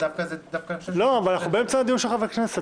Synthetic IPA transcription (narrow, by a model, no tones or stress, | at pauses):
afkad̪afkaloavalanaχnubeemt͡sanad̪imʃeχaveknese